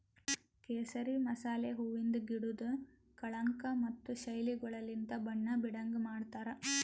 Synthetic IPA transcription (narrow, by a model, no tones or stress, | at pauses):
keːsɐɾimɐsaːleɦuʋind̪uɡiɽud̪u | kɐɭɐŋkɐmɐt̪ːuʃɐjliɡɔɭɐlind̪ɐbɐɳːɐbiɽɐŋɡemaːɽt̪aːɾɐ